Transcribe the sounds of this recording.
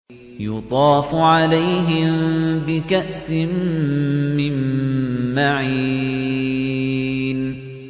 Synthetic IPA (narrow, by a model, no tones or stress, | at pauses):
jʊt̪ˤɑːfʊʕalajɦɪmbɪkaʔsɪmː | ɪmː | aʕiː | n